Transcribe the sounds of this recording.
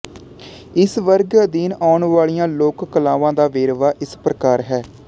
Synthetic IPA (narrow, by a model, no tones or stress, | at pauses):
ɪsʋəɾɡd̪iːnaːʊɳʋaːlijãːloːkːəlãːʋãːd̪aːʋeːɾʋaːʔɪspɾəkaːɾɦɛː